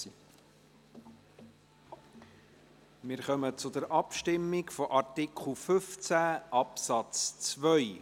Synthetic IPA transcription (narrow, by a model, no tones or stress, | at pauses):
mɪːɾχœmət͡sʊd̪əɾʔɑpʃtɪmːɪkfɔʔɑɾtɪkχl̩ˠfʏft͡sæʔɑpsɑt͡st͡svœj